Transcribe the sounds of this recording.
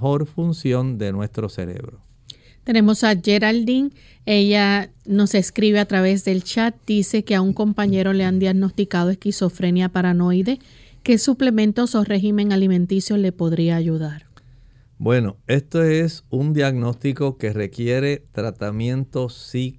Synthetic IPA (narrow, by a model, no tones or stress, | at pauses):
o̞ɾfunsjo̞nd̪e̞nwe̞st̪ɾo̞se̞̰ɾe̞̰βɾo | t̪e̞ne̞mo̞saʝe̞ɾald̪iŋ | e̞ʝano̞se̞skɾiβe̞at̪ɾaβe̞sd̪e̞lt͡ʃat̪̚d̪̥ise̞ke̞auŋko̞mpaɲe̞ɾo̞le̞and̪jaɣno̞st̪ikaðo̞e̞skiso̞fɾe̞njapaɾano̞jðe̞ | ke̞suple̞mẽ̞nt̪o̞so̞re̞ɦimẽ̞ŋalimẽ̞nt̪isjo̞le̞po̞ðɾiaːʝuðaɾ | bwe̞no̞e̞st̪oe̞sund̪jaɣno̞st̪iko̞ke̞re̞kje̞ɾe̞t̪ɾat̪amjẽ̞nt̪o̞sːi